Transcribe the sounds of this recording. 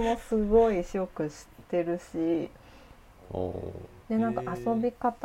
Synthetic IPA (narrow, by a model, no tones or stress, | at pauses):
mo̞sɨɡo̞iɕo̞kɯ̟ɕi̥t̪e̞ɾɯ̟ɕi | d̪̥e̞nãŋkaʔaso̞bʲikat̪